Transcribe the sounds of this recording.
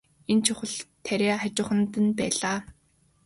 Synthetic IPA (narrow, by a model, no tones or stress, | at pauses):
ent͡ɕʰʊχə̆ɮt̪ʰːæɾʲeːat͡ɕʊːχə̆nt̪ə̆npæːɮaː